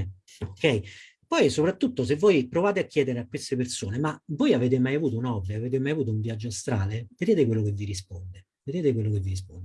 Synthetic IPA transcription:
okːɛj | pɔjsopɾat̪ːut̪ːos̬evːojpɾovaːt̪eakʰʲːjɛːd̪eɾeakwest̪epersoːnemavojaveːt̪̬emajavuːt̪ounɔbːiaveːt̪̬emajavuːt̪̬ouɱvjad͡ʒːoast̪ɾaːleved̪eːt̪ek̬welːokevːiɾispond̪e | ved̪eːt̪ek̬welːokevːiɾis̬pond̪e

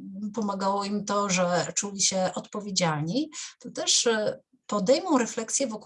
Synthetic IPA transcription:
pɔmaɡawɔimt̪ɔʐɛt͡ʂulʲiɕɛʔɔt̪pɔvʲjed͡ʑalɲet̪ɔt̪ɛʂ | pɔd̪ɛjmɔ̃w̃ɾɛflɛksʲjɛvɔk

